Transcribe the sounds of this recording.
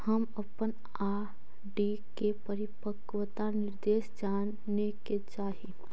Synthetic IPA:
həməpən | aː | ɖi | kepəɾɪpəkwət̪anɪɾd̪eːʃd͡ʒaːn | neket͡ʃaːɦi

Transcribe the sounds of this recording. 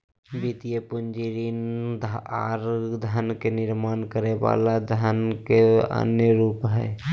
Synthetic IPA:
bit̪ijəpʊnd͡ʒiɾiːnd̪a̰ːɾd̪ʱankenɪɾmaːnkəɾeba̰ːlad̪ʱankeə̰njəɾuːpɦɛ̰

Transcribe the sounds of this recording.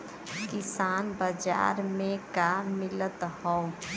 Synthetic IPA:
kɪsaːnbəd͡ʒa̰ːɾmẽkamɪlət̪hɔu

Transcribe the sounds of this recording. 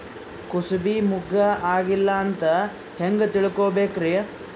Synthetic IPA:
kusubimuɡɐaːɡilːɐːnt̪ɐ | heŋɡɐt̪iɭkoːbeːkɾeː

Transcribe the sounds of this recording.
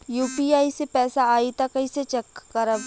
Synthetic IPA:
juːpiaːisepɛːsaaːit̪akɐiset͡ʃɐkːəɾəb

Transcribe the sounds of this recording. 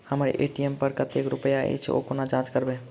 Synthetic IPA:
həmɾ̰ʔḛʈiempəɾkət̪ekɾupəjaḛjt͡ʃʰɛ̰o̰konad͡ʒãt͡ʃkəɾbẽ

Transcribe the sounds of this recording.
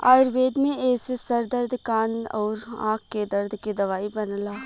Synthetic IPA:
a̰ːɪɾʋeːd̪mẽɛːsesɐɾd̪əɾd̪ʱkaːnɔːɾã̰ːk̚ʰːed̪ɐɾd̪ʱkid̪ɐʋaːibɐnlaː

